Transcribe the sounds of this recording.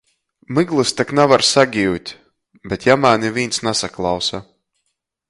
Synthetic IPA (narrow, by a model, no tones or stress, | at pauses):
mɨɡlˠɨst̪aknavaɾsaɡʲiwt̪ʲ | bɛt̪jamanivʲiːnsnasaklˠawsa